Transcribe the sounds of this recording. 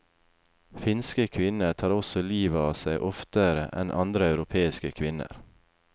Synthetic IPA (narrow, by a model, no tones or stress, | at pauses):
fɪnskəkʰʋɪnəʈʰɑːɾɔsɔliːʋəɑːsæɪʔɔft̪əɾə̰ʔɛ̰nʔɑnd̪ɾəɑʉɾʊpʰeːɪskəkʰʋɪnə̰ɾ